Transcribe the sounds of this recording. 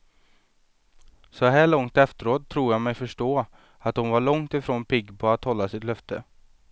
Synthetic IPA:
sɔɦæːɭɔŋt̪ɛft̪əɾoːt̪ʰːɾuːjamɛjfœʂʈoː | at̪̚hʊnvaɭɔŋt̪ɪfɾoːnpɪɡpʰɔat̪hɔlːasɪt̪lœft̪ʰə

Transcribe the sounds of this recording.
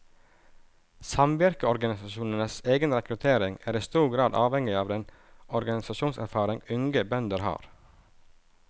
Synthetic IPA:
sɑmʋɪɾkəɔɾɡɑnɪsɑʃuːnənəseːɡənɾɛkɾʉt̪ʰeːɾɪŋæːɾiːst̪uːɡɾɑːd̪ʔɑːʋhɛŋɪɑːʋd̪ɛn | ɔɾɡɑnɪsɑʃuːnsæɾfɑːɾɪŋʉŋɡəbœnd̪əɾhɑ̰ːɾ

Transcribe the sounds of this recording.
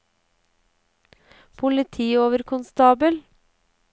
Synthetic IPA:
pʰʊlɪt̪ʰiːoːʋəɾkʰʊnst̪ɑːbəl

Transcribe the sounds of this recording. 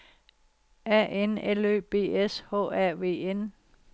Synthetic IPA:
æ̰ʔenelø̰ːb̥e̝̰ːeshɔ̰ːæɐ̰ʋe̝̰ːen

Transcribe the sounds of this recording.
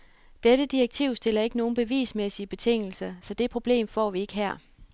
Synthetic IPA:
d̥eɾ̥əd̥ieɡ̥̚t͡sʰiʊ̰sd̥e̝lɐe̝ɡ̥əno̝ːn̩b̥e̝ʋḭːsmesiəb̥e̝t͡sʰe̝ŋ̰l̩sɐsɒ̽d̥e̝pʰʁo̝b̥le̝̰ːmfɒ̰ːʋie̝ɡ̥əɦæɐ̰

